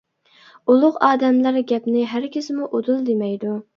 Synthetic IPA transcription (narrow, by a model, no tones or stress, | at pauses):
ulˠʊqɑːd̪ɛmlæɾɡʲɛpnɪɦæɾkʲʰɪsɪmuʔod̪ulˠd̪emɛjd̪u